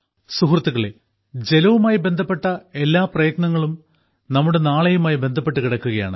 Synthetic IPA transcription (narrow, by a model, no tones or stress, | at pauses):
suhrɐt̪ːuɣɐɭe | d͡ʑe̞lɐʋumaːjibe̞nd̪ʱɐpːe̞ʈːɐe̞lːaːprɐjɐt̪̚ɳɐŋːɐɭum | nɐmːuɽe̞naːɭejumaːjibe̞nd̪ʱɐpːe̞ʈːɨkiɽɐkːuɣɐja̰ːɳɨ